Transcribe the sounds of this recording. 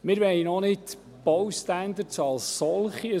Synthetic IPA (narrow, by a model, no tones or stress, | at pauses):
mɪːɾʋɛɪnɔnɪt | b̥owstænd̪əɾt͡sɑlsːɔlχi